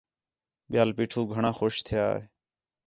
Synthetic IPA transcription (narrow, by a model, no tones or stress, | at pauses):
ɓjaːlpiːʈʰuːɡʱəɳãːxoːʃt̪ʰɪja̰ːeː